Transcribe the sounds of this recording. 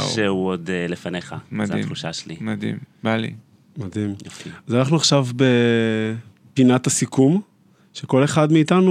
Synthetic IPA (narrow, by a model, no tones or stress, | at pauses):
ʃeuodelefaneχamadḭuʃaʃelimad̪ḭmbalḭ | madimazanaχnuaχʃavbe̞ | pinat̪asikum | ʃeko̞le̞χadmiːt̪anu